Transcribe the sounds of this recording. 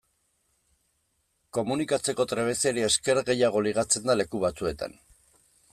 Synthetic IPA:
ko̞munikat͡se̞ko̞t̪ɾe̞β̞e̞se̞ɾieske̞ɾɣe̞jaɣ̞o̞liɣ̞at͡se̞nd̪ale̞kuβ̞at͡sue̞t̪a̰n

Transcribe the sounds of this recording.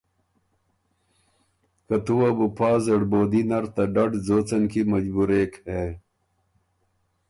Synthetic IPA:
kɐt̪uwɐbupʰaːzɐɽboːd̪inɐɾt̪ɐɖɐɖd͡zoːt͡sɐnkimɐd͡ʑbuɾeːke

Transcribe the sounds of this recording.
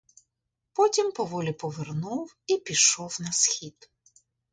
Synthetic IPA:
pɔtʲimpɔʋɔlʲipɔʋernuw | ipʲiʃɔwnɐsxʲid̪

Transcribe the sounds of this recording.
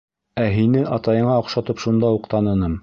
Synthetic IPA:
æɦinɘʔɑt̪ɑjɤ̆ɴɑŏqʃɑt̪ɤpʃund̪ɑuqt̪ɑnɤ̆nɤm

